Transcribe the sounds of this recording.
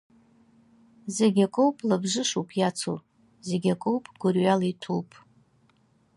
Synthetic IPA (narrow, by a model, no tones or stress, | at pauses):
zeɡʲakʼowpʼlabʐɨʂupʰjat͡sʰo̰ | zeɡʲakʼowpʼɡ̥ʷʊrɥalaitʰulpʼ